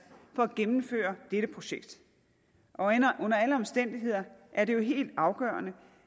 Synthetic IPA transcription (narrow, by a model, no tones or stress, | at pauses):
fɒ̽æɡ̥emm̩fø̰ːɐd̥eɾ̥əpʰʁo̝ɕeɡ̥d̥ | ʔɒ̽nɐʔɔ̽n̰ɐæləɒ̽msd̥en̰d̥iɦe̝ð̰ˠɐʔæɐɾe̝jo̝ɦe̝̰ːld̥ɑ̈ʊɡ̥ɶ̰ːɐnə